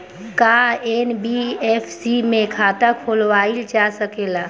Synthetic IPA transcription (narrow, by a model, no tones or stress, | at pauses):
kaenbiepʰsimẽkʰaːt̪akʰolʋaild͡ʒasəkeːla